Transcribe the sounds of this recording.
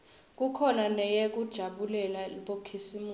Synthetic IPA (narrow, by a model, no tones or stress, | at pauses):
k̬ukʰɔnanɛjɛk̬ud̥ʒ̥ʱaɓulɛlaiɓokʰisimu